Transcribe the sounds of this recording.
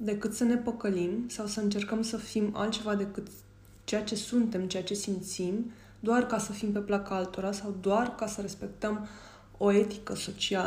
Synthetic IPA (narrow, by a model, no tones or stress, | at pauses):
d̪e̞kɨt̪səne̞pəkəlimsawsəɨnt͡ʃe̞rkəmsəfima̰lt̪t͡ʃe̞vad̪e̞kɨt̪ | t͡ʃe̞jat͡ʃe̞sunt̪e̞mt͡ʃe̞jat͡ʃe̞simt̪sim | d̪oarkasəfimpe̞plakaalt̪o̞ɾasawd̪oarkasəɾe̞spe̞k̚t̪əm | o̞e̞t̪ikəso̞t͡ʃial